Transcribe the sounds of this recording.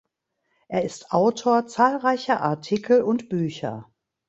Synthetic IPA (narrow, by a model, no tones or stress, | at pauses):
ʔeːɐɪstʔaʊtʰoːɐt͡saːlʁaɪçɐʔa̰ɐtʰɪkʰl̩ʊntb̥yːçɐ̰